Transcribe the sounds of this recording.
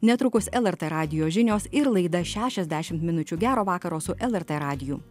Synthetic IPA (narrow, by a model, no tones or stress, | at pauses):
nʲɛt̪ɾʊkʊsɛlˠɛɾt̪ɛɾɑːd̪ʲɪjoːʒʲɪnʲoːsɪɾlˠɐɪd̪ɐʃʲæːʃʲɛzʲd̪ʲæʃʲɪmt̪mʲɪnʊt͡ʃʲuɡʲæːɾoːʋɑːkɐɾoːsʊʔɛlˠɛɾt̪ɛɾɑːd̪ʲɪjṵ